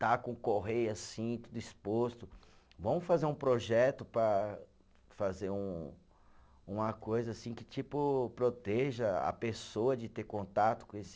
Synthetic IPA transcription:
t̪akõkoɦejɐsĩt̪ud̪ʊispost̪ʊ | vɐ̃w̃fazeɾũpɾoʒɛt̪ʊpɾɐ | fazeɾũ | ũmɐkojzɐasĩkɪ̥t͡ʃipʊpɾot̪ɛʒɐɐ̰pesoɐd͡ʒɪt̪eɾkõnt̪at̪ʊ̥kõesɪ̥

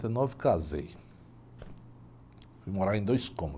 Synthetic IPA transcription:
t̪ɐnɔvkazḛj | fujmoɾaɾẽd̪ojskõm

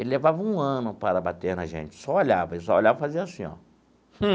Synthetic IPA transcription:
elɪlevavɐũɐ̃nʊpaɾɐbat̪eɾnɐʒḛ̃nt͡ʃɪ̥sɔoʎavɐesɔoʎavɐfaziɐasĩɔ̰ | h̩

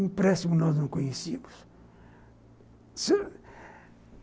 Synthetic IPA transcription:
ĩpɾɛsimunɔznɐ̃w̃kõɲesimʊs | s

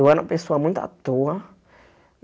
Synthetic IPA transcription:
wanãpesoamũj̃nt̪a̰t̪oa

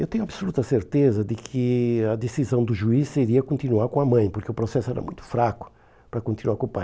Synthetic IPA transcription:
ewt̪ẽɲʊ̃ɐbsolut̪ɐseɾt̪ezɐd̪ɪkʰɪɐd̪esizɐ̃w̃d̪ʊʒuisːeɾiɐkõnt̪inuaɾkõɐmɐ̃j̃pʊɾkeʊpɾosɛsʊɛ̰ɾɐ̰mũj̃t̪ʊ̥fɾakʊ̥ | pɾɐkõnt̪inuaɾkõpaj

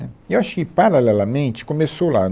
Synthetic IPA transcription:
ɛewaʃʊ̥kɪpaɾalɛlɐmẽnt͡ʃɪ̥kõmesowla̰

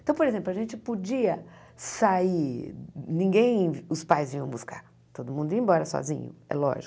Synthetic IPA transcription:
t̪ɐ̃w̃poɾezẽmplʊɐʒẽnt͡ʃɪpod͡ʒiɐ | sai | nĩɡẽj̃ʊspajzvĩɐ̃w̃buska̰ɾ | t̪od̪ʊmũnd̪ʊĩbɔɾɐsɔ̰zĩɲʊ̰ɛ̰lɔ̰ʒikʊ

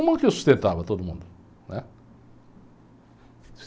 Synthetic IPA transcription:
mũd̪ʊkɪewsu̥st̪ẽnt̪avɐt̪od̪ʊmṵ̃nd̪ʊ | nʔɛ

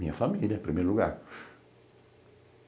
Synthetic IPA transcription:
ĩɲɐfamiljɐpɾimejɾluɡa̰ɾ

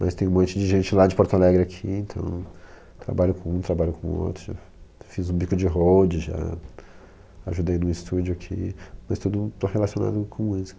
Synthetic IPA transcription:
mɐst̪ẽj̃ũmõnt͡ʃɪd͡ʒɪʒẽnt͡ʃɪlad͡ʒɪpoɾt̪alɛɡɾɪakʰiẽnt̪ʰɐ̰̃w̃ | t̪ɾa̰baʎʊkõũt̪ɾabaʎʊkõo̰t̪ɾʊʒa̰ | fizũbikʊd͡ʒɪɦowd͡ʒɪʒa̰ | aʒud̪ejnũist̪ud͡ʒʊakʰḭmɐst̪ud̪ʊt̪oɦelasiona̰d̪ʊkʰõiz̥

